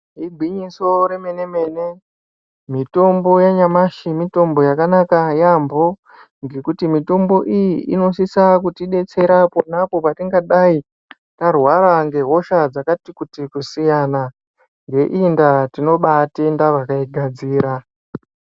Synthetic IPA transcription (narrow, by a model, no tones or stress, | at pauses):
ɦiɡʱwiɲiso̞ɾe̞me̞ne̞me̞ːne̞ | mito̞mbo̞jaɲamaʃimito̞mbo̞jakanakajambo̞ | ŋɡe̞kutimito̞mbo̞ʔijiʔino̞sisakutiɗe̞t͡se̞ɾapo̞napo̞patiŋɡaɗai | tarwaɾaŋɡe̞ɦo̞ʃad͡zakatikutikusijana | ŋɡe̞ʔindatino̞ɓatendaʋakaiɡʱad͡ziːɾa